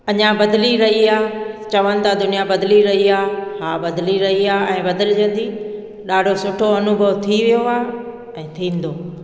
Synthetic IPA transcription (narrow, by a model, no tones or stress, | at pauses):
ɐɲãbɐd̪liɾɐɦiaːt͡ɕɐʋənɪ̆t̪ãd̪ʊnijabɐd̪liɾɐɦiaːhaːbɐd̪liɾɐɦiaːɛ̃ːbɐd̪əld͡ʑə̃n̆d̪iː | ɗaːɖʱosʊʈʰoɐnʊbʱəʋt̪ʰiʋijoaː | ɛ̃ːt̪ʰĩːn̆d̪oː